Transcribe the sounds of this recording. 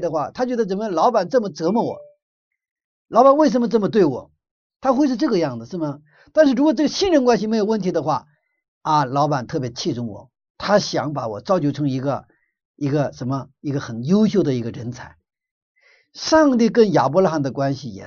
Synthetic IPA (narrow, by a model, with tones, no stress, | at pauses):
d̪ə˧xwa̰˥˩t̪ʰa˥t͡ɕɥwɥɛ˧˥d̪ə˧t͡sə˨˩nmə˧lɑ˧˥ʊpa˨˩nʈ͡ʂɤ˥˩mə˩t͡sɤ˧˥mə˧wɔ̰˨˩˦ | lɑ˧˥ʊba˨˩nwe˥˩ɪʂ̬ə˧˥nmə˧ʈ͡ʂɤ˥˩mə˧t̪we˥˩ɪwɔ̰˨˩˦ | t̪ʰa˥xwe˥˧ɪʂɻ̩˥˧ʈ͡ʂɤ˥˩ɡə˧jɑ˥˩ŋd͡zə˩ʂɻ̩˥˩mə˩ | t̪a˥˧nʂɻ̩˥˩ɻu˧˥kwɔ˨˩ʈ͡ʂɤ˥˩ɡə˩ɕi˥˧nɻə˧˥nkwa˥nɕ̬i˨me˧˥ɪjo˨˩ʊwə˥˩nt̪ʰi˧˥d̪ə˧xwa˥˩ | a˧lɑ˧˥ʊpa˨˩nt̪ʰɤ˥˩p̬jɛ˧˥t͡ɕʰi˥˩ʈ͡ʂʊ˥˩ŋwɔ̰˨˩˦ | t̪ʰa˥ɕjɑ̰˧˥ŋpa˧˥wɔ̰˨˩ʈ͡ʂɑ˥˧ʊt͡ɕjo˥ʊʈ͡ʂʰɤ˧˥ŋi˧˥ɡə̰˧ | i˧˥ɡə˧ʂə˧˥nmə˧i˧˥ɡə˧xə˨˩njo˥ʊɕ̬jo˥˩ʊd̪ə˩i˧˥ɡə˧ɻə˧˥nt͡sʰa˨˩˦ɪ | ʂɑ˥˧ŋt̪i˥˩k̬ə˥˩nja̰˨˩p̬ɔ˧˥la˥xa˥˩nd̪ə˩kwa˥nɕi˨jɛ̰˨˩